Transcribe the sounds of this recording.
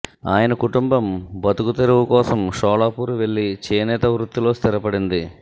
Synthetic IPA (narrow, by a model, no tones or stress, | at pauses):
aːjɐnɐkuʈumbɐmbɐt̪ukut̪eɾuʋukɔːsɐmʃɔːlaːpuːɾuʋe̞ɭːit͡ʃeːnɛːt̪ɐʋɾut̪ːulo̞ːst̪iɾɐpɐɽind̪i